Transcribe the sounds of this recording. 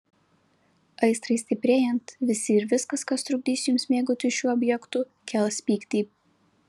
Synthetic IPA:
ɐɪst̪ɾɐɪsʲt̪ʲɪpʲɾʲeːjɛnt̪ʋʲɪsʲɪɪɾʋʲɪskɐskɐst̪ɾʊɡ̚ʲd̪ʲiːsʲjʊmsʲmʲeːɡʊt̪ʲʊʃʲuːɔbʲjɛkt̪ʊ | kʲɛlˠsʲpʲiːkt̪ʲiːp

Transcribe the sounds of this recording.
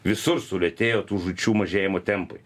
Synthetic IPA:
ʋʲɪsʊɾsʊlʲɛt̪ʲeːjoːt̪uːʒʊt͡ʃʲuːmɐʒʲeːjɪmoːt̪ʲɛmpʊ̰j

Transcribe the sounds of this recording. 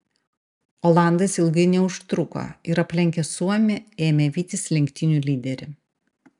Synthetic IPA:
olˠɑˑnd̪ɐsɪlˠɡɐnʲɛʊʃt̪ɾʊko̰ːɪɾɐpʲlʲɛŋʲkʲɛsuɔmʲɛeːmʲɛʋʲiːt̪ʲɪslʲɛŋʲkʲt̪ʲɪnʲuːlʲiːd̪ʲɛɾʲɪ

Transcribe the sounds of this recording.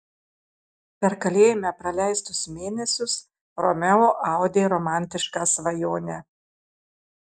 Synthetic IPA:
pʲɛɾkɐlʲeːjɪmʲɛpɾɐlʲæˑɪst̪ʊsmʲeːnʲɛsʲʊs | ɾɔmʲɛoːʔɑˑʊd̪ʲeːɾɔmɑˑnʲt̪ʲɪʃkɑsʋɐjoːnʲɛ

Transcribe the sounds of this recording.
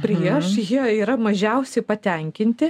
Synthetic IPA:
pʲɾʲiɛʃjiɛiːɾɐmɐʒʲɛʊsʲɛɪpɐt̪ʲɛŋʲkʲɪnʲt̪ʲɪ

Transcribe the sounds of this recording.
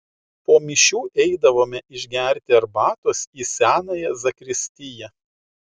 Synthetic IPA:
poːmʲɪʃʲuːʔɛɪd̪ɐʋoːmʲɛʔɪʒʲɡʲæˑɾʲt̪ʲɪɐɾbɑːt̪oːsiːsʲæːnɑːjɛzɐkɾʲɪsʲt̪ʲɪjɛ

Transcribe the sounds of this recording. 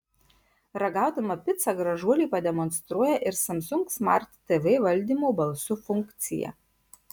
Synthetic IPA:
ɾɐɡɑˑʊd̪ɐmɐpʲɪt̪sɐɡɾɐʒuɔlʲiːˑpɐd̪ʲɛmɔnst̪ɾuɔjɛʔɪɾsɐmsʊŋksmɐ̰ɾt̪t̪ɛʋɛːʋɐlʲˑd̪ʲiːˑmoːbɐlˠsʊfʊŋʲkt̪sʲɪ̰jɛ̰

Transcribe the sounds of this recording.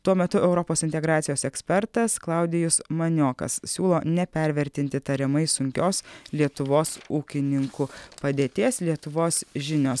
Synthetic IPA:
t̪uɔmʲɛt̪ʊʔɛʊɾɔpoːsɪnʲt̪ʲɛɡɾɑːt̪sʲɪjoːsɛksʲpʲɛɾt̪ɐsklˠɑˑʊd̪ʲɪjʊsmɐnʲoːkɐ̰ssʲuːlˠoːnʲɛpʲɛɾʲʋʲɛɾʲt̪ʲɪnʲt̪ʲɪt̪ɐɾʲɛmɐɪsʊŋʲkʲoːslʲiɛt̪ʊʋoːsuːkʲɪnʲɪŋkupɐd̪ʲeːt̪ʲeːslʲiɛt̪ʊʋoːsʒʲɪnʲoːs

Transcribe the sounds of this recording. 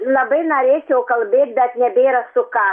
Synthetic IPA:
lˠɐbɐɪnoɾʲeːt͡ʃʲɛʊkɐlʲˠbʲeːt̪̚ʲbʲɛt̪nʲɛbʲeːɾɐsʊkɑ

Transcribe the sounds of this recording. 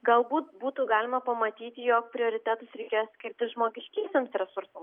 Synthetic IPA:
ɡɐlˠbuːt̪̚buːt̪uːɡɑːlʲɪmɐpɐmɐt̪ʲiːt̪ʲɪjoːk̚pʲɾʲɪoːɾʲɪt̪ʲæːt̪ʊsɾʲɛɪkʲeːjosʲkʲɪɾʲt̪ʲɪʒmoːɡʲɪʃʲkʲiːsʲemsɾʲɛsʊɾsɐm

